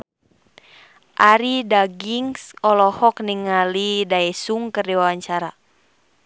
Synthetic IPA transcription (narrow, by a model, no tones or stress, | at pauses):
ʔaɾidaɡiŋsɔlɔhɔk̚niŋːalidaɛsuŋkərdiwawaɲt͡ʃaɾa